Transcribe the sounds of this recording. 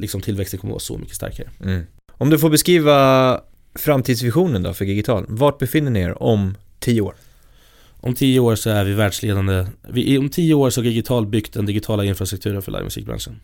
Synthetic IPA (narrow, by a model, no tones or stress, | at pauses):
lɪksɔmt̪ʰɪlvɛkst̪ənkʰɔmə̰vɑ̰ːsɔ̰mʔʏ̰kːə̥st̪a̰ɾkaɾə | ɔmd̪ɵfoːɾbɛskɾiːva | fɾamt̪ʰiːd̪svɪɧuːnənd̪ɔ̰fœɖɪɡɪt̪ʰɑ̰ːlvɑːʈ̚bɛfɪnːəɳɪḛːɾɔm | t̪ʰiːjːəoːɾ | ʔɔmt̪ʰiːjəoːɾsɔæɾvɪvæːɖʂleːd̪and̪əvɪʔɪɔmt̪ʰiːjəoːɾʂɔhad̪ɪɡɪt̪ʰɑːlt̪̚bʏkt̪̚d̪ɛnd̪ɪɡɪt̪ʰɑːlaɪnfɾast̪ɾɵk̚t̪ʰʉ̟ːɾənfœɭʔa̰jmɵ̰sḭːk̚bɾa̰nʂən